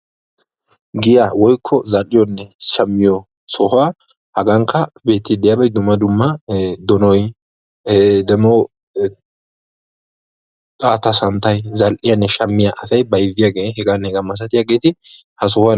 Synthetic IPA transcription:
ɡɪjawɔjkʰːɔzɐlʔɪjɔnːɛʃɐmːɪjɔ | sɔhʊa | hɐɡɐŋkʰːɐbe̞ːt̪ːɪd̪ɪjaːbɐjd̪ʊmːɐd̪ʊmːɐd̪ɔnɔj | d̪ɛmɔ | t̪ʼaːt̪ɐsɐnt̪ɐjzɐlʔɪjɐnːɛʃɐmːɪjaʔɐsɐjbɐjɪvːɪjaɡeːhɛɡanːɛhɛɡamːɐs̬ɐt̪ɪjaɡeːt̪ɪ | hɐs̬ɔha

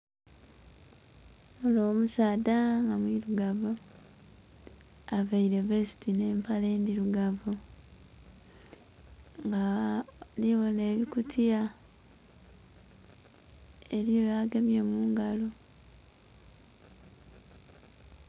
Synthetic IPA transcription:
muno̞ːmusaːdaŋɡamwiɾuɡavu | aβaiɾe̞vesi̥tine̞ːmpale̞ːndiɾuɡavu | ŋɡa | liβo̞ne̞ːβikutʰia | eɾiojaːɡemjemuːŋɡalo

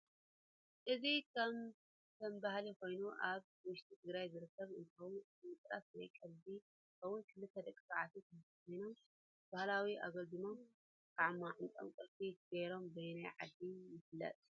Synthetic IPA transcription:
ʔɨzikɐm | kʰɐmbahlikʰo̞jnuʔaβ | wʊʃt̪ʰʼit̪ʰɨɡɾajzɨɾɨkʰːɐβɨnt̪ʰɐwn | ɨmɨt̪ʼɾa̰swɐjkʼɐlbi | kʰɐwʊnkʰɨlɨt̪ʰːɐd̪ɐkʼisaʕat̪ʰukʰɐmtkʰojno̞m | b̥ahlawiʔa̰ɡɐld̪ɨma | kʰaʕmːaʕɨntʼɐ̰mkʼɨt̪ʼiɡɐjɾo̞mbɐjnajʕa̰d̪ːijɪfɨlːɐ̰t̪ʼ

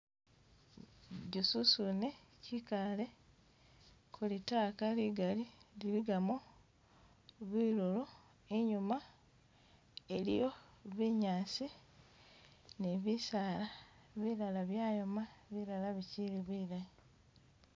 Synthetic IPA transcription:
ɟususunecikale̞ | kʰulitaːkaliɡalililiɡamo | βwiːɾolo | eɲuma | elḭjo̞βiɲaːsi | neβisaːla | βilalaβjaːjomaβiɾalaβiciɾiβilai

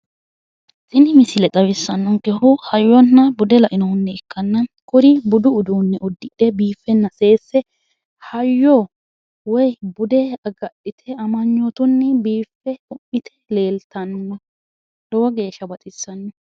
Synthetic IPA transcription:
sʼɪnɪmɪsɪlɛt̪ʼɐwɪsːɐnːɔŋkɛhʊhɐjːɔnːɐbʊd̪ɛlɐʔɪnɔhʊnːɛɛkʰːɐnːɐkʊɾɪbʊd̪ʊːd̪uːnːɛʔɔd̪ːɪᶑɛbiːfːɛnːɐse̞ːsːɛ | hɐjːɔ | wɔjbʊd̪ɛɐɡɐɗɪt̪ʰɛɐmɐɲːot̪ʊnːɛbiːfːɛʊmːɪt̪ʰɛ̥le̞ːlt̪ɐnːʊnːɐ | d̪̥ɔwɐɡe̞ːʃːɐbɐt̪ʼɪsːɐnːʊ

